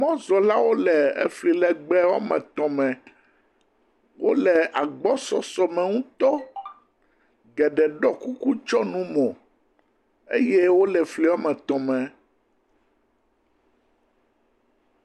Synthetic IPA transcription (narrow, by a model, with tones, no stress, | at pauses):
mɔ̃˦zɔ˨la˦wo˦lɛ˨ḛ˦fli˨lɛ˨ɡ͡bɛ˦wa̰˦mɛ̰̃˨t̪ɔ̃˨mɛ̃˨ | wo˦lɛ˨a˨ɡ͡bɔ˦sɔ˨sɔ˨mɛ̃˨ŋũ˦t̪ɔ˦ | ɡɛ˨ɖɛ˨ɖɔ˦ku˦ku˦t͡ʃɔ˦nũ˦mɔ̃˨ | ḛ˦je˦wo˦lɛ˨fli˨wa˦mɛ̃˨t̪ɔ̃˨mɛ̃˨